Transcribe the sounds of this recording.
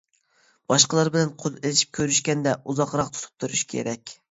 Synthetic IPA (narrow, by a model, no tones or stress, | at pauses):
b̥ɑʃqəlˠɑɾbɪlɛnqʰolˠelɪʃi̥p̚kʲʰøɾyʃkʲɛnd̪ɛʔuzɑqɾɑq̚t̪ʰu̥t̪ʰu̥p̚t̪ʰuɾuʃkʲʰḛɾɛkʲ